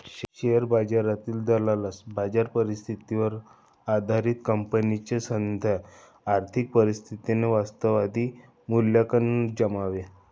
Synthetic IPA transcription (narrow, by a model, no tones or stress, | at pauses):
ɕejəɾbad͡zaɾat̪iːld̪alalasbad͡zaɾpəɾist̪ʰit̪iʋəɾ | ad̪ʱaɾiːt̪kəmpənit͡ɕesənd̪ʱa | aɾt̪ʰik̚pəɾist̪ʰit̪ineʋast̪əʋad̪ʱiː | muljakənːud͡ʑəmaʋe